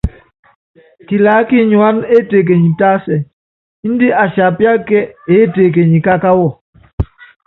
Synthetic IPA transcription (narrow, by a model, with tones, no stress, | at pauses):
ki˨laː˨˦ki˦ɲu˨a˦ne˦te˨k̬e˨ɲi˨ta˦sɛ˨˦ | n̩˦di˦ʔa˨sa˨pja˦kɛ˦e˨˦te˨k̬e˨ɲi˨ka˦ka˦wɔ˦˨